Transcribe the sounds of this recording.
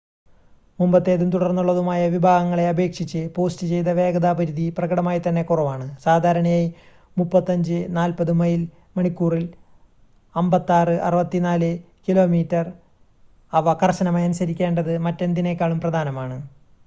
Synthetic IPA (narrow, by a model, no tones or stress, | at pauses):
mumbɐt̪ːe̞ːðumt̪uɽɐrnːuɭːɐðumaːjɐʋibʱaːɡɐŋːɐɭe̞ɐbe̞ːkʂit͡ɕːɨpo̞ːstɨt͡ɕe̞jt̪ɐʋe̞ːɡɐd̪aːbɐɾuðiprɐɡɐɽɐmaːjit̪ɐnːe̞kurɐʋaːɳɨsaːd̪ʱaːɾɐɳɐjaj | mupːɐt̪ːɐɲd͡ʑɨnaːlpɐðumɐjil | mɐɳikːuːril | ɐmbɐt̪ːaːrɨʔɐrɨʋɐt̪ːinaːlɨ | kilo̞ːmiːtːɐr | ɐʋɐkɐrɕɐnɐmaːjɐnusɐɾikʲːe̞ːɳɖɐðɨmɐtːe̞nd̪inekːaːɭumprɐd̪ʱaːnɐmaːɳɨ